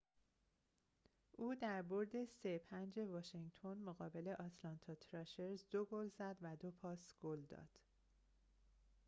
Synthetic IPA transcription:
ʔuːd̪æɾbo̞ɾd̪e̞sepʰænd͡ʒe̞vɒːʃeŋɡt̪ʰo̞nmoɣɒːbe̞le̞ʔɒt̪ʰlɒnt̪ʰɒt̪ʰɾɛʃeɾzd̪oɡolzæd̪væd̪o̞pʰɒːsɡ̥old̪ɒ̰ːd̪̥

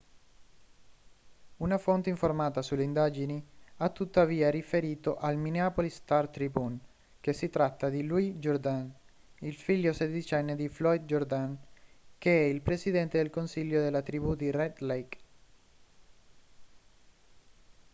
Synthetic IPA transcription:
unafont̪eiɱformaːt̪asulːeind̪aːd͡ʒiniat̪ːut̪ːaviːaɾifeɾiːt̪oʔalmineapolist̪art̪ɾibun | k̟esːit̪ɾat̪ːad̪iluid͡ʒord̪an | ilfiʎːosed̪it͡ʃɛnːed̪iflɔjd̪̚d͡ʒord̪ankeɛilpɾesid̪ɛnt̪ed̪elkonsiʎːod̪elːat̪ɾibud̪irɛd̪lejk

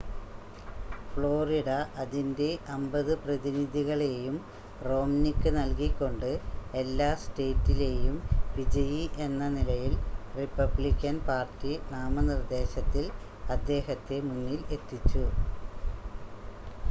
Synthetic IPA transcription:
fɭo̞ːriɽɐʔɐðinde̞ʔɐmbɐðɨprɐðiniðiɣɐɭe̞jum | ro̞ːmnikːɨnɐlkikʲːo̞ɳɖɨe̞lːaːste̞ːtːile̞jumʋid͡ʑɐjiʔe̞nːɐnilɐjilripːɐblikʲːɐnpaːrtːinaːmɐnird̪e̞ːɕɐt̪ːil | ɐd̪ːe̞ːɦɐt̪ːe̞munːile̞t̪ːit͡ɕːu

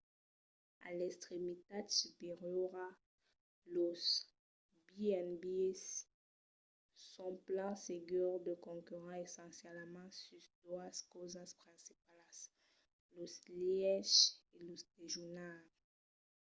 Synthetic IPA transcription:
a̰lɛkst̪χemit̪ad̪sypeʁjɔʁa | los | biɛnbiɛs | ɔ̃plɑ̃seɡœʁd̪əkɔ̃kyʁɑ̃esɑ̃sjɛlmɑ̃sysd̪waskozaspχɛ̃sipalas | losliɛʃelost̪eʒunal

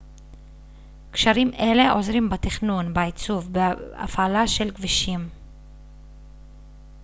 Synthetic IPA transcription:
kʃaʁimʔe̞le̞ʔo̞zʁimbat̪iχnunbait͡suvbea̰fʔalaʃe̞lkviʃim

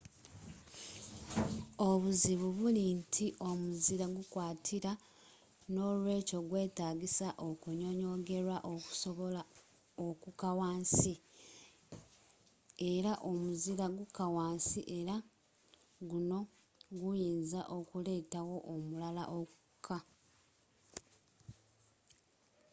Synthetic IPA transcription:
o̞βuziβuβulintʰiʔo̞muziɾaɡukwaːtʰiɾa | no̞lwe̞ːco̞ɡwe̞ːtaːɡisaʔo̞kuɲo̞ɲo̞ɡe̞ɾaʔoku̥soβoa | okukawaːnsi | e̞ɾaʔo̞muziɾaɡukawaːnsiʔe̞ɾa | ɡuno̞ | ɡujiːnzaʔo̞kule̞ːtawo̞ʔomulala̰ʔo̞kukʰːa

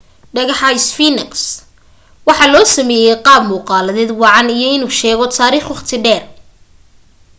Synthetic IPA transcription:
ɖɐɣɑħɑɪsfiːnɪks | wɑħɑːlɔːsɐmɛːjɛjqɑːb̚muːqɑːlɐðɛːd̪wɑʕɑnijɔɪnuːʃɛːɣɔt̪ʰaːɾiːχwʊχt̪ʰɪɖɛːr

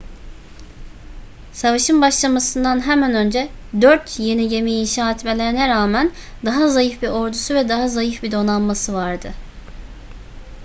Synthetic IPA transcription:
savaʃɯnbaʃlˠamasɯnd̪anɦɛmænø̞nd͡ʒɛ | d̪øɾt̪ʰje̞niɟe̞mijiːnʃaːɛt̪me̞lʲe̞ɾinɛɾaːmænd̪aɦazajɯfbio̞ɾd̪usuvɛd̪aɦazajɯfbid̪o̞namːasɯvaɾd̪ɯ

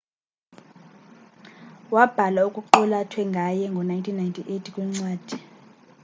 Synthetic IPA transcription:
wab̥ʱalaukʼuǃɔlatʰwɛŋɡʱajɛŋɡʱɔnajntʰinːajntʰʼiʔetʰikʼwiŋ͡ǀwaːd̥ʱi

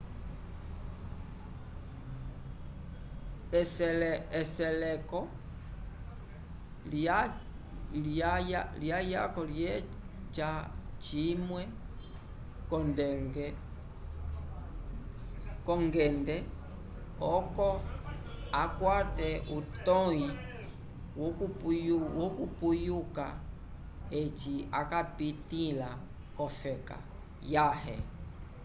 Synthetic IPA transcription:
slɛsɛlɛkɔ | l | lajaljaja̰kɔljɛ | t͡ʃat͡ʃimwɛ | kɔndɛŋɡɛ | kɔŋɡɛndɛ | ɔkɔ | akwatɛʔutɔi | wɔkujuwɔkupujuka̰ | et͡ʃia̰kapitila | kɔfɛka̰ | jahɛ̰

